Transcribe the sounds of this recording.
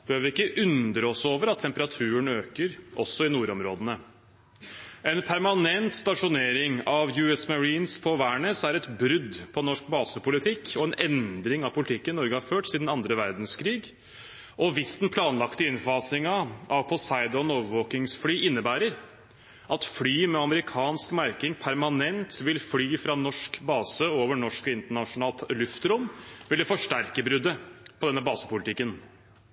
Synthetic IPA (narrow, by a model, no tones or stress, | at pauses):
b̥əøːʋəɪkːəʔʉnd̪ɾəɔsoːʋəɾɑt̪ʰːɛmpəɾɑt̪ʰʉːəɳøːkəɾʔɔsːɔɪnuːɾɔmɾoːd̪ənə | ɛnpʰæɾmɑnɛnt̪st̪ɑʂʊneːɾɪŋɑʋjʉɛsmɑɾiːnspʰɔʋæːɳəːsæɾɛt̪bɾʏd̪pʰɔnɔʂkbɑːsəpʊlɪt̪ʰɪkːɔɛnʔɛnd̪ɾɪŋɑʋpʊlɪt̪ʰɪkːənɪnɔɾɡəhɑɾføːʈsiːd̪n̩ɑnd̪ɾəʋæɾd̪nskʰɾiːɡ | ʔɔʋɪsd̪npʰlɑːnlɑkt̪əɪnfɑːsɪŋɑʔɑʋpʰɔsɑɪd̪ɑnoːʋəʋoːkɪŋsflyːʔɪnːəbæːɾəɾ | ʔɑt̪flyːmɛɑməɾɪkʰɑːnskmæɾkɪŋpʰæɾmɑnɛnt̪ʋɪlflyːfɾɑnɔʂkbɑːsəoːʋəɳɔʂkɪnt̪əɳɑʂʊnɑːlt̪lʉft̪ɾʊmʋɪlːəfɔʂʈæɾkəbɾʉd̪əpʰɔd̪ɛnːəbɑːsə̥pʊlɪt̪ɪkːən